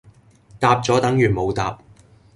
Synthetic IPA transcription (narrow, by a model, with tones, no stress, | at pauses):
t̪aː˧p̚t͡sɔː˨˥t̪ɐ˨˥ŋjyː˨˩nmo˨˧wt̪a̰ː˨p̚